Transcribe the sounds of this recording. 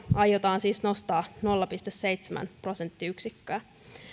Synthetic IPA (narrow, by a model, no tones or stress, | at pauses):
ɑjot̪ɑːnsiːsno̞st̪ɑːno̞lːɑpist̪esse̞jt̪semæ̰npro̞sent̪ːiyksikːæː